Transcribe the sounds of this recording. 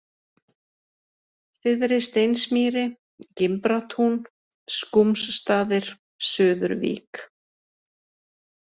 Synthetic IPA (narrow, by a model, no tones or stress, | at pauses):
θɪðɾɪst̪ejnsmiːɾɪ | cɪmpɾat̪ʰun | skumsːt̪aːðɪɾ̥ | sʏːðʏɾvḭːk